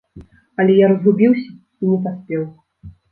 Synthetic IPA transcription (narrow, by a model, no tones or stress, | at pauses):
ɐlʲɛjaɾɐzɣubʲiwsʲɐ | inʲɛpasʲpʲɛw